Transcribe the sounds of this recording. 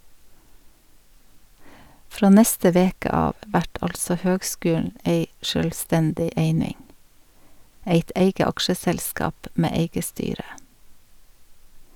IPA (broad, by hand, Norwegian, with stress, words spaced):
ˈfɾoː ˈnɛstə ˈʋeːkə ˈɑːʋ ˈʋæʈ ˈɑlsɔ ˈhøːɡˌskʉːll̩ ˈʔeɪ ʃœlˈstɛndɪ ˈeɪnɪŋ ˈeɪt ˈeɪɡə ˈɑkʃəsɛlˌskɑːp ˈmeː ˈeɪɡə ˈstyːɾə